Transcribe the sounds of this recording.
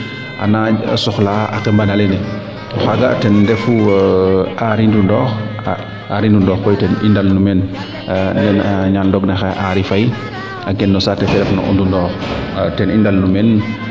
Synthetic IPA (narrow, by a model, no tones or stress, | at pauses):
ʔa̰na̰sɔxlaa̰kɛmbanalɛnɛ | xaɡatɛnːdɛfu | aɾindundɔːxa | aɾindundɔːxkɔjtɛnindalnumɛn | ndɛnaɲaldɔɡnɛxaʔaɾifaj | aɡɛnːɔsatɛfɛɾɛfnɔ̰ʔṵndundɔːxtɛnindalnumɛn